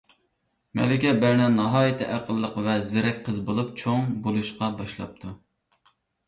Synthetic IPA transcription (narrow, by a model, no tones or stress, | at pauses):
mɛ̰lɪkʲɛbæɾnɛnnɑɦɑːjɨt̪ʰɪʔæqʰəlˠːəqvɛzɪɾɛk̚ʲqʰəzbolˠup̚t͡ʃʰoŋbolˠuʃqɑbɑʃlˠɑ̰p̚t̪ʰu